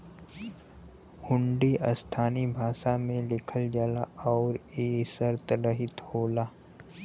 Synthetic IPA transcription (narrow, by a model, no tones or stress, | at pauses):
hʊ̃ɳɖiʔəst̪ʰaːnibʱaːʃamẽlɪkʰəld͡ʒaːlaʔɔːɾeːsəɾt̪ɾəɦɪt̪hoːlaː